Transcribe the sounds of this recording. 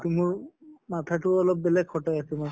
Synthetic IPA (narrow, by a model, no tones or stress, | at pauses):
tumʊɹmatʰatʊɔlɔp̚bɛlɛɡxɔtɔjasɛmɔ